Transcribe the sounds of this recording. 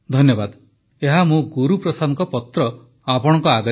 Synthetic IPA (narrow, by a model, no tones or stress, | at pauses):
d̪ʱɔnjɔbad̪ | eɦamũɡuɾupɾɔsanɔkɔpɔt̪ɾɔ | apɔɽ̃ɔ̃ŋkɔaɡɔ